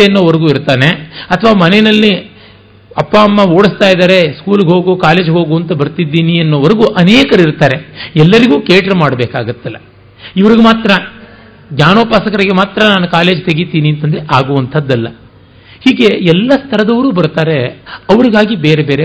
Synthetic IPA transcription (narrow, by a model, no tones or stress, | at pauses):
eɐnːoːʋɐɾɐɡuːiɾt̪aːne̞ɐt̪ʰɐʋaːmɐnenɐlːi | ɐpːaɐmːɐo̞ːɽist̪aːjid̪aːɾe̞skuːlɡeɦo̞ːɡukaːle̞ːd͡ʒɦo̞ːɡuɐnt̪ɐbɐɾt̪id̪ːiːniɐnːoːʋɐɾɐɡuʔɐneːkɐɾɐiɾt̪aːɾeɛlːɐɾiɡuːkeːʈɐɾmaːɽɐbeːkaːɡut̪ːilːɐ | iʋɐɾiɡemaːt̪ɾɐ | ɡɲaːnoːpaːsɐkɐɾiɡemaːt̪ɾɐnaːnukaːle̞ːd͡ʒt̪eɡit̪ːiːniɐnt̪ɐnd̪ɾeʔaːɡuʋɐnt̪ʰɐd̪ːɐlːɐ | hiːɡe̞ɛlːɐst̪ʰɐɾɐd̪ɐʋɾuːbɐɾt̪aːɾe̞ɐʋɐɾiɡaːɡibeːɾe̞be̞ːɾe